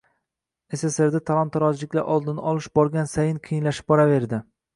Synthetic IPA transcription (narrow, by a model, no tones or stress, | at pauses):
e̞sese̞ɾd̪at̪ʰalˠant̪ʰːaɾɒzlɪkʲlaʔɒlˠd̪ɪnɒlˠɪʃbɒɾɡʲansajɪnqʰɨjɪnlaʃɪ̥p̚bɒɾave̞ɾd̪ɪ